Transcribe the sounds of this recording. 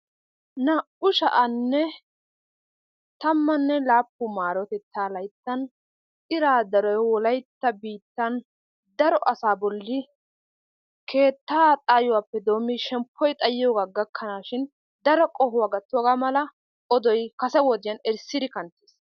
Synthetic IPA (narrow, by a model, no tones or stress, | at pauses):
nɐ | ʊʃɐ̰ʔɐnːɛ | t̪ɐmːɐnːɛlaːpːʊmaːɾɔt̪ɛt͡sːaːlɐjt̪ːɐn | ɪɾaːd̪ɐɾɔjwɔlɐjt̪ːɐbiːt̪ːɐn | d̪ɐɾɔʔɐsaːbɔlːɪ | kʰe̞ːt̪ːaːt̪ʼaːjʊwaːpːɛd̪o̞ːmːiʃɛmpʰːɔjt̪ʼɐjɪjoːɡaːɡɐkʰːɐnaːʃɪn | d̪ɐɾɔkʼɔɦʊwaɡɐt̪ːwɔɡaːmɐlɐ | ʔɔd̪ɔjkɐsɛwɔd̪ɪjɐnɛɾsːɪd̪ɪkɐnt̪ːes